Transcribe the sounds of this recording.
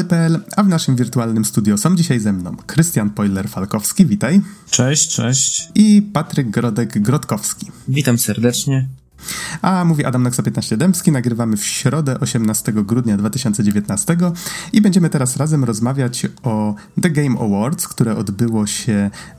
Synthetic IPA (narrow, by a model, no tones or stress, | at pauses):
lpɛɛlavnaʂɘmvʲiɾt̪ualnɘmst̪ud̪ʲjɔsɔ̃w̃d͡ʑiɕajzɛmnɔ̰̃w̃kɾɘst̪ʲjanpɔjlɛɾfalkɔfskʲivʲit̪ajt͡ʂɛɕt͡ʂɛ̰ɕt͡ɕipat̪ɾɘɡːɾɔd̪ɛɡɡɾɔt̪kɔfskʲi̥vʲit̪amsɛɾd̪ɛt͡ʂɲɛ | ʔamuvʲiʔa̰d̪amnɔksɔpʲjɛt̪naɕt͡ɕɛd̪ɛmpskʲinaɡɾɘvamɘfɕɾɔd̪ɛʔɔɕɛmnast̪ɛɡɔɡɾud̪ɲad̪vat̪ɘɕɔnt̪sɛd͡ʑevʲjeɛt̪nast̪ɛɡɔibɛɲd͡ʑɛmɘt̪ɛɾasɾazɛmɾɔzmavʲjat͡ɕɔ | d̪ɛɡɛjmɔ̰wɔɾt̪skt̪uɾɛʔɔd̪bɘwɔɕɛ